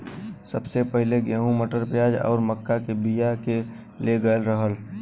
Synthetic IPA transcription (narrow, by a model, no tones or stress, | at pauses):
səbsepɛɦɪleɡɛːɦũməʈəɾpjaːd͡ʒɔ̰ːɾməkːakebijake | leɡəəlɾəɦəl